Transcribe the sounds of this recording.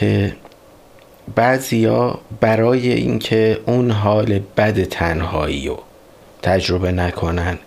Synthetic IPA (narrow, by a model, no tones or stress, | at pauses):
e | bæzijɒːbæɾɒːje̞̰ʔḭːncʰe̞ʔunɦɒːle̞bæd̪et̪ʰænhɒ̰ːḭːɾo̰ | t̪ʰæd͡ʒɾo̞be̞nækʰo̞næn